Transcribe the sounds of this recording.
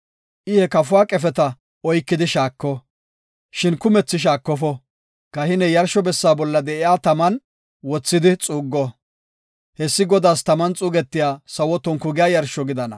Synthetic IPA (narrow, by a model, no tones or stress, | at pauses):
ʔɪhɛkɐfʊwaːkʼɛfɛt̪ɐ | ɔjkːɪd̪ɪʃaːkːɔ | ʃɪnkʊmɛt͡sːɪʃ̬aːkːɔfɔ | kɐhɪnɛjɐɾʃɔbɛsːaːbɔlːɐd̪ɛʔɪjaːt̪ɐmɐn | wɔt͡sːɪd̪ɪt͡sʼuːɡːɔ | hɛsːɪɡɔd̪aːst̪ɐmɐnt͡sʼuːɡɛt̪ːɪjaːsɐwɔt̪ːɔnkʊɡɪjaːjɐɾʃɔɡɪd̪ɐnɐ̰